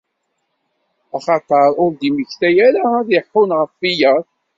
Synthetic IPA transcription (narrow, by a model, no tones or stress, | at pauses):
aχɑt̪ˤɑɾˤʊɾd̪iməçθæjæɾaðɪħːʊnʁəfijæɾ